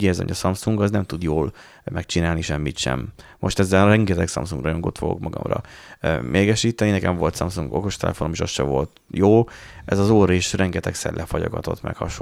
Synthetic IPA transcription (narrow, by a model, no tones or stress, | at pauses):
ɟɛːzɛ̰ɲɒsɒmsuŋɡɒznɛmt̪ud̪joːl | mɛk̚t͡ʃinaːlniʃɛmːit̪ʃɛ̰mː | o̞ʃt̪ɛzːɛlɾɛŋɡɛt̪ɛksɒ̰msuŋɡrɒjoŋɡot̪foɡo̰kmɒɡɒ̰mrɒ̰mʔeːɡɛʃiːt̪ɛninɛkɛɱvo̞lt̪sɒmsuŋɡo̞ko̞ʃt̪ɛ̰lɛ̰fonomeːʃost̪ʃɛvo̞lt̪joːʔɛzɒzoːɾeːʃrɛŋɡɛt̪ɛksɛ̰rlʔɛfɒjo̞̰ɡɒt̪o̞t̪mɛ̰khɒʃo